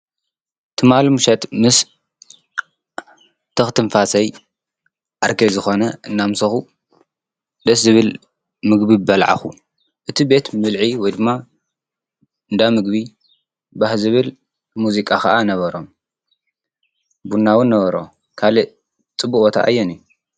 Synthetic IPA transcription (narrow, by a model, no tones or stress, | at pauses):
t̪ʰɨmalmuʃɐt̪mɨs | t̪ʰɐxt̪ʰɨɱfasɐj | ʔaɾkʰezɨxo̞nɐʔɨnːamsɐxu | d̪ɐs̬zɨβɨl | mɨɡbibɐlʕa̰xu | ʔɨt̪ʰibe̞t̪mɨlʕiwɔjd̪ɨmːa | ɨnd̪amɨɡbi | bahzɨβɨl | muzikʼakɐʔanɐβɐɾo̞m | bunːawɨnːɐβɐɾo̞̰ | kʰalɨ | t͡sʼɨbukʼot̪ʰa̰ʔa̰jːɛniju